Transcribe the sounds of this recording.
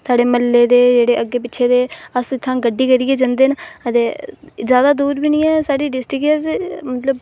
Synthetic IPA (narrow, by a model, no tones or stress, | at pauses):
saːɖeːməlːeːd̪eːd͡ʒeːɽeːʔəɡːeːp̬ɪʃʰeːd̪eːəsɪt̪ʰːãːɡəɖːiːkəɾiːeːd͡ʒãnd̪eːnət̪eːzjaːd̪aːd̪uːɾbiːnĩːɛːsaːɽiːɖɪsʈɪkɛːt̪emət̪ləb